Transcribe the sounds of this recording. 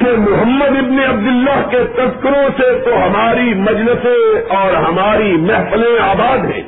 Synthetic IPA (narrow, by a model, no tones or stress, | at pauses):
kemʊɦəmːəd̪ɪbneɐb̚d̪ʊlːaɦket̪ɐskɪɾõset̪oɦɐmaːɾimɐd͡ʒləsẽɔːɾɦɐmaːɾimɛɦfəlẽaːbaːd̪ɦɛ̰̃ː